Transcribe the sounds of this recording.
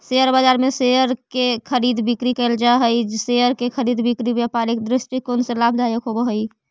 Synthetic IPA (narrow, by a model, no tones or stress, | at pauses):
seəɾbad͡ʒaɾmeseəɾkekʰəɾid̪bikɾikəld͡ʒaɦəjd͡ʒseəɾkekʰəɾid̪bikɾibjapaɾekd̪ɾɪsʈikːonsəlab̚ʱd̪ʱajəkɦobəɦəj